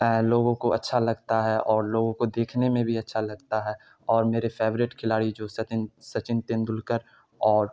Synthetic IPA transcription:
loːɡõkoɐtːʃʰalɐɡt̪aɦɛʔɔːɾloːɡõkod̪eːkʰnemẽbʱiɐtːʃʰalɐɡt̪aɦɛː | ɔːɾmeːɾefeːʋɾɪʈkʰɪlaːɽid͡ʒoːsɐt̪sɐt͡ʃɪnt̪ɪ̃nd̪ʊlkəɾ | ɔːɾ

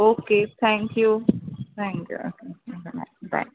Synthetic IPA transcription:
oket̪ʰɛ̃ŋkjut̪ʰɛ̃ŋkjṵo̰keokena̰ba̰

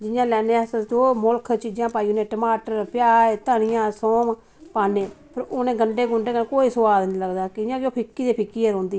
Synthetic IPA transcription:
d͡ʒɪjãːlɛːneːɛsəd͡ʒoːmʊlkʰt͡ʃiːd͡ʒãːpaːiːʊnẽːʈəmaːʈəɾpjaːɾt̪əːɽ̃ɪjãːsɔːm | paːneːpʰəɾoːnẽːɡəɳɖeːɡʊɳɖeːkənkoːiːsʊwaːd̪nĩːləɡd̪aːkɪjãːd͡ʒoːpʰɪkːiːd̪eːpʰɪkːiːeɾõːnd̪iː

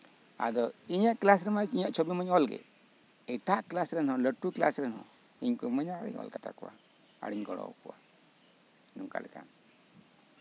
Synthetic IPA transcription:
a̰d̪ɔiɲaʔklas̬ɾɛmaiɲaʔt͡ʃʰobiməɲɔlɡɛ̰ | ɛʈaʔklasɾɛnhɔ̃ləʈuklasɾɛnhɔ̃ | iɲkuməɲaɽḭɲɔ̰lkaʈa̰kuwa | a̰ɽiɲɡɔɽɔ̰wkuwa | nuŋka̰lɛt̪am

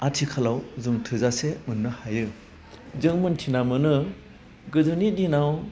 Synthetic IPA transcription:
atʰikʰalawzɯŋtʰɯzasemɯnːɯhajɯ | zɯŋmɯntʰinamɯnɯ | ɡɯzɯnidinaw

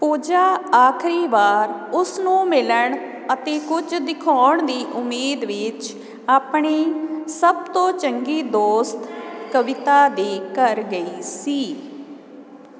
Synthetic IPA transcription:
puːd͡ʒaːaːkʰɾiːʋaːɾʊsnũːmɪləɳ | ət̪eːkʊd͡ʒd̪ɪkʰaːɳd̪iːʔʊmːeːd̪ʋɪt͡ʃ | aːpɳeːsəb̚t̪õːt͡ʃəŋɡiːd̪oːst̪kəʋɪt̪aːd̪eːkəɾɡəiːsiː

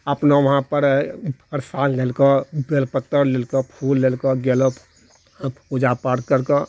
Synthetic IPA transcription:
əpnəʋəɦãpəɾəɾsanlelkəbelpət̪ːəɾlelkəpʰulːelkəɡeləp | od͡ʒapaɾkəɾkə

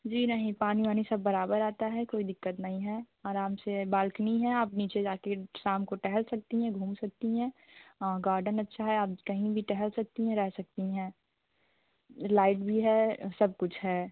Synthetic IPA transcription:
d͡ʒiːnɐɦĩpaːniʋaːnisɐbːɐɾaːbəɾaːt̪aɦɛkoːid̪ɪkːət̪nɐɦĩɦɛː | aːɾaːmsebaːlknɐĩɦɛaːpniːt͡ʃed͡ʒaːkesaːmkoʈɛɦɛlsɐk̚t̪iɦɛ̃ɡʱũːmsɐk̚t̪iɦɛ̃ː | ɡaːɾɖənɐtːʃʰaɦɛaːpkɐɦĩbʱiʈɛɦɛlsɐk̚t̪iɦɛ̃ɾɛɦsɐk̚t̪iɦɛ̃ː | laːɪʈbʱiɦɛːsɐb̚kʊt͡ʃʰɦɛː

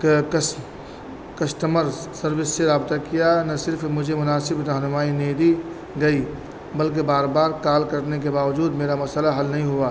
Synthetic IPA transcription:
k | kɐsʈəməɾsəɾʋɪsːeɾaːbt̪akijanɐsɪɾfʰmʊd͡ʒʱemʊnaːsɪbɾəɦnʊmaːineːd̪i | ɡɐi | bəlk̬ebaːɾbaːɾkaːlkəɾnek̬ebaːʋd͡ʒuːd̪meːɾamɐsəlaɦɐlnɐɦĩɦuaː

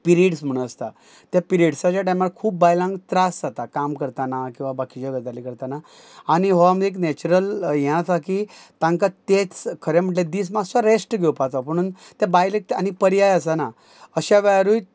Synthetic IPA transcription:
piɾiʈsm̤əɽũəst̪a̰ | t̪japiɾiɖsat͡ɕaʈajmakʰuːp̚ːajlãŋɡt̪ɾasd͡zat̪akamkəɾt̪anakĩw̃ʋabakid͡ʑəɡəd͡z̪alikəɾt̪ana | añiɦoameknet͡ɕuɾəljɛ̃t̪akit̪ãŋkat̪et͡skʰəɾem̤əʈled̪iːsmasaɾesʈɡʱewpat̪apəɽ̃uːnt̪abajlek̪̚anipəɾijajəsana | əɕaʋaɾuj

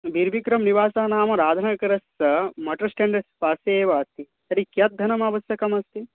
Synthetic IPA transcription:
bʱiɾbikɾɐmniʋaːsɐɦɐnaːmɐɾaːd̪ʱɐnɐkɐɾɐsɐmɐʈɐɾsʈeɳɖɐɾspaːseːʋɐːst̪it̪ɐɾikjɐt̪̚d̪ʱɐnɐmaːʋɐsjɐkɐmɐst̪i

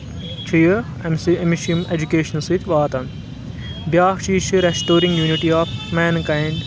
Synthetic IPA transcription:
t͡ʃʰɐjɐ | memiʃiɐmed͡ʒukeːʃɐnsit̪ʲʋaːt̪ɐn | bjaːɦʃiːʃɐɾesʈoːɾĩŋɡjuːniʈiaːfmɛːnkajɳɖ

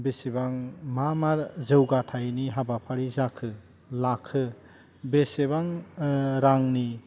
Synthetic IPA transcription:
besebaŋmamaɾzɯwɡatʰajniɦabapʰaɾizakʰɯ | lakʰːɯ | beseβaŋ | ɾaŋni

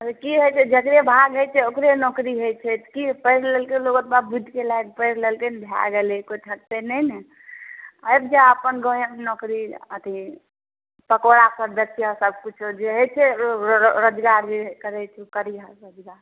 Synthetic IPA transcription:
əkiɦojt͡ʃʰɛd͡ʒəkɾebʱaɡɦət͡ʃʰɛokɾenɔːkɾiɦojt͡ʃʰɛt̪kipəɪɾlelkeloɡət̪babud̪ʱkelaek̚pəɪɾlelkenbʱja̰ɡelekoiʈʰək̚t̪enɛjnɛ | əjb̚d͡ʒaəpənɡõjəmnɔkɾiət̪ʰi | pəkoɾapəɾd̪ətːiəsəb̚kut͡ʃʰd͡ʒeɦət͡ʃʰɛ | ɾod͡ʒɡaɾd͡ʒekəɾɛt͡ʃʰkəɾiaɾəd͡ʒɡaɾ

